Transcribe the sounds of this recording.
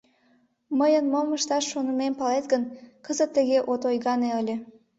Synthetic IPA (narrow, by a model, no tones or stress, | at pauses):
məjənmoməʃt̪ɑʃːonəmempɑlet̪ɡənkəzət̪ːəɣeʔot̪ojɣɑneəlʲĕ